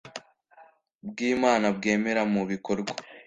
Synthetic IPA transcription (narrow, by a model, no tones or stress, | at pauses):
b̚ɡiːmaːnabɡe̞ːme̞ɾamuβiko̞ɾɡwa